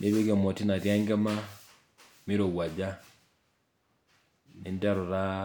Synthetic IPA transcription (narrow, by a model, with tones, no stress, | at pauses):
nʔe˦βe˦ɡe˨mɔ˨ti˦na˨ɾja˦ŋɡɛ˦ma˦ | mi˦ɾo˨wa˨d͡ʒa˦ | ni˨nda˦ɾɔ˨ɾa˦